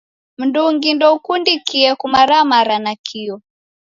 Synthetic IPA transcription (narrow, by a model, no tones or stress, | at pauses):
m̩nduŋɡindɔukundikiɛkumaɾamaɾanakʰiɔ